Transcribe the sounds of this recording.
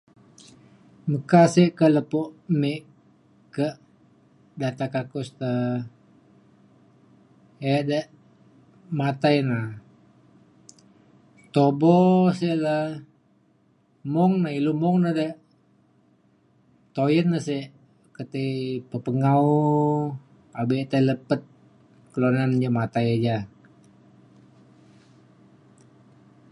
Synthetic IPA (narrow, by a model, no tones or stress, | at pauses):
məkaseʔkələpoʔmeʔ | kəʔ | dat̪akakʊst̪ə | edəʔ | mat̪ajna | t̪obɔseʔlə | mɔŋnailumɔŋnadəʔ | t̪ojənːaseʔ | kət̪epəpəŋawu | abet̪aləpət̪̚ | kəlonand͡ʒamat̪ajad͡ʒa